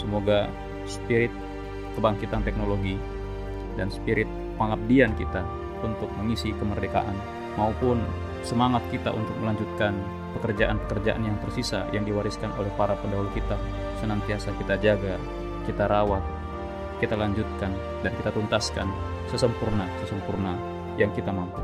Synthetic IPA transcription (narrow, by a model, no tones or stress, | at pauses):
səmoɡa | spiɾɪt̪̚ | kəbaŋkit̪ant̪ɛk̚noloɡi | danspiɾɪt̪̚ | maŋap̚diankit̪a | unt̪ʊk̚məŋisikəmərdeka̰ʔan | maupʊn | səmaŋat̪̚kit̪a̰ʔṵnt̪ʊk̚məlaɲd͡ʒut̪̚kan | pəkərd͡ʒaʔanpəkərd͡ʒaʔa̰njaŋt̪ərsisa̰jaŋdiwaɾɪskano̰lɛhpaɾapəndaɦulkit̪a | sənant̪iasakit̪ad͡ʒaɡa | kit̪aɾawat̪̚ | kit̪alaɲd͡ʒut̪̚kan | dankit̪at̪unt̪askan | səsəmpurnasəsəmpurna | jaŋkit̪amampu